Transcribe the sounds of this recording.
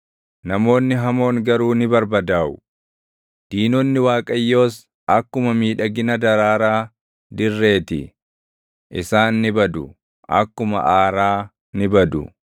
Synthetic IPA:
nɐmo̞ːnːɪɦɐmo̞ːŋɡɐɾuːnɪbɐɾbɐd̪aːʔʊ | d̪̥iːnɔnːɪwaːkʼɐjːo̞ːs | ʔɐkːʊmɐmiːᶑɐɡɪnɐd̪ɐɾaːɾaː | d̪ɪrːe̞ːt̪ɪ̰ | ʔɪsaːnːɪbɐd̪ʊ | ʔɐ̰kːʊmɐ̰ʔaːɾaː | nɪbɐd̪ʊ̰

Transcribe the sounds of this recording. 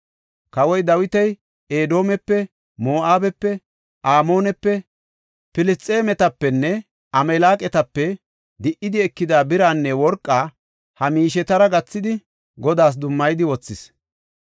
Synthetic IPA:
kɐwɔjd̪ɐwɪt̪ɛj | eːd̪o̞ːmɛpːɛ | moːʔaːbɛpːɛ | ʔaːmo̞ːnɛpːɛ | pɪlɪst͡sʼːeːmɛt̪ɐpːɛnːɛ | ɐmɛlaːkʼɛt̪ɐpːɛ | d̪ɪʔɪd̪ɪɛkːɪd̪aːbɪɾaːnːɛwɔɾkʼːaː | hɐmiːʃɛt̪ɐɾɐɡɐt͡sːɪd̪ɪ | ɡɔd̪aːs̬d̪ʊmːɐjd̪ɪwɔt͡sːɪs

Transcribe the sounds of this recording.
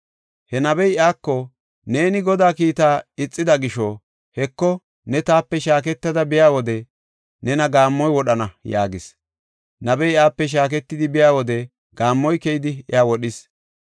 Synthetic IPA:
hɛnɐbɛjaːkːɔ | ne̞ːnɪɡɔd̪aːkiːt̪aːɪt͡sʼːɪd̪ɐɡɪʃɔ | hɛkːɔ | nɛt̪aːpːɛʃaːk̬ɛt̪ːɐd̪ɐbɪjaːwɔd̪ɛ | nɛnɐɡaːmːɔjwɔɗɐnɐja̰ːɡɪs | nɐbɛjaːpːɛʃ̬aːk̬ɛt̪ːɪd̪ɪbɪjaːwɔd̪ɛ | ɡ̥aːmːɔjkɛjɪd̪ɪɪ̰aːwɔɗɪs

